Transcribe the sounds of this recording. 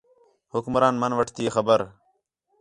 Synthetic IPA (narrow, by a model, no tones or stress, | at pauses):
hʊkmɾaːnmɐnʋəʈʰt̪iexɐbəɾ